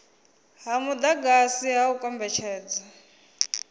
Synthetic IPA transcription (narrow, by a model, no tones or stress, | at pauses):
ɦamud̪aɡasiɦaukʼɔmbɛt͡ʃʰɛːd͡za